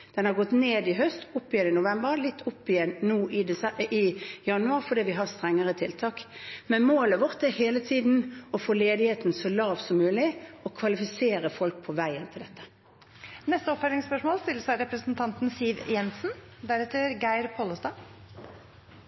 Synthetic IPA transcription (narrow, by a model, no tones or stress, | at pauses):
d̪̥ɛnhɑʁɡɔt̪ːneːd̪ɪɦœst̪ʊpːɪjɛnɪnʊʋɛmbəʁlɪt̪ːʊpːɪjɛnːuːʔɪd̪ɛɪjɑnʉɑːʁfɔd̪iːʋɪɦɑʁst̪ɾɛŋːəʁət̪ʰɪlt̪ʰɑːkmɛnmoːləʋɔʁt̪æheːlət̪ʰiːd̪n̩ɔfoːleːd̪ɪheːt̪nsɔlɑːʋsɔmːʉːlɪɔkʰʋɑlɪfɪseːɾəfɔlk̚pʰɔʋæɪənt̪ʰɪld̪ɛt̪ːə̥ | nɛst̪əɔpfæɖ̪ɪŋspœʂmoːlst̪ɪlːəsæɪɾɛpɾəsənt̪ʰɑnt̪n̩siːʋjɛnsnd̪æɾɛt̪əɾɡæɪɾpʰoːləst̪ɑː